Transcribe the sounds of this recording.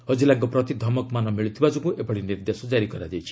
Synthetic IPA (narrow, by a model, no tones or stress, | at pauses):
ɦɔd͡ʒilaɡɔpɾɔt̪id̪ʱɔmɔkmanɔmiɭut̪ʰibad͡ʒɔkuʔebɔɽiniɾd̪esɔd͡ʒaɾikɔɾad̪et͡ʃʰi̥